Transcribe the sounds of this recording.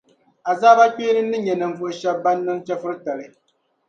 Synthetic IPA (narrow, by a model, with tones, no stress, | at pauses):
a˨zaː˦ba˦k͡peː˦nɨ˦nːɨ˦ɲɛ˨nɨ˨ɱ̩˨vʊ˨ʔɨ˨ʃɛ˦bːa˦nːɨ˦mt͡ʃɛ˦fɨ˦ɾɨ˦ta˨lɨ˨